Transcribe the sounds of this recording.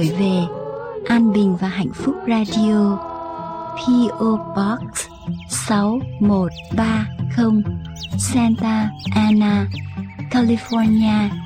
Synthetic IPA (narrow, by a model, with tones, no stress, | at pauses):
jve˨˩ʔaː˧nɓï˨˩ŋ̟vaː˨˩ɦa̰˧˨jŋ̟fʊ˦˥k͡p̚zaː˧ɗi˧o˧ | pʰi˧ʔo˧ɓɔ˦˥k̚s | sa˨˦wmo˨˩t̚ɓaː˧xə˧wŋ͡msɛ˧nt̪aː˧ʔaː˧naː˧kaː˧li˧fɔ˧ni˧aː˧